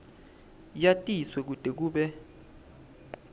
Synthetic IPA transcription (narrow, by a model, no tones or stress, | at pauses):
jatʼiswɛk̬ud̥ʱek̬uːɓɛ